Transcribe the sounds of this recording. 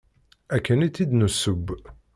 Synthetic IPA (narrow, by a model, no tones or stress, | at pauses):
ækːənit̪ːid̪nusːəbː